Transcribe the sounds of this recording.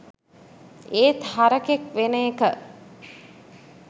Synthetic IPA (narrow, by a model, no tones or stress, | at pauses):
eːt̪haɾəkekʋenəekə